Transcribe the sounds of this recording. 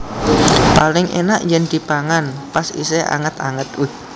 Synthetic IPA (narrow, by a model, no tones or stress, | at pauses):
palɪŋʔḛnaʔjɛnd̪̥i̤paŋanpasḭseʔa̰ŋət̪a̰ŋət̪wɪh